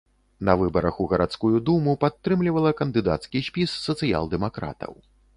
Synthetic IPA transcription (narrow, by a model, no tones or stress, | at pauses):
nɐvɨbɐɾɐxuɣɐɾat̪skujud̪umupat̪ːɾɨmlʲivɐlˠɐkɐnd̪ɨd̪a̰t̪skʲisʲpʲisːɐt̪sɨja̰lˠd̪ɛmakɾa̰t̪ɐ̰w